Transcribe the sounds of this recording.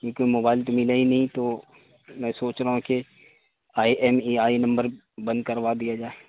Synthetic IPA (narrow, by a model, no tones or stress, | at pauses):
jekoːimoːbaːɪlt̪omɪlaɦinɐɦĩt̪oː | mɛ̃ːsoːt͡ʃɾaɦũke | aːiʔɛːmiaːinɐ̃mbəɾ | bɐ̃nd̪̚kɐɾʋad̪ijad͡ʒaːe